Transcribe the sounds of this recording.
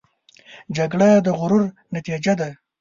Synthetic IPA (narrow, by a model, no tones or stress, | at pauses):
d͡ʒaɡɽad̪əɣʊɾuɾ | nat̪id͡ʒad̪a